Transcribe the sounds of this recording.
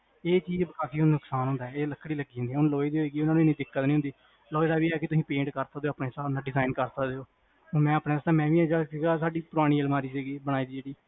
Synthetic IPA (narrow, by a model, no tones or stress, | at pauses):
eːt͡ʃiːzbəkʰaːt̪iːʊnnʊksaːnɦʊ̃nd̪aɛːeːləkʰːɽiːləɡiːɦnd̪iːɛːʊnloːid̪eoiːɡiːʊnãːnũːɪnːiːd̪ɪkːət̪nĩːɦʊnd̪iː | loːd̪aːʋiːɛːkɪt̪ʊsĩːpẽːɳʈkəɾsaːd̪eːoːaːpɳeːsaːnãːɖɪzaːɪnkəɾsəkd̪eoː | õːmɛ̃ːəpɳeːst̪ãːmɛ̃ːʋiːɛːd͡ʒasiːɡaːsaːɖiːpʊɾaːɽ̃iːəlmaːɾiːsiːɡiːbəɽ̃aːiːd̪iːd͡ʒeːɽiː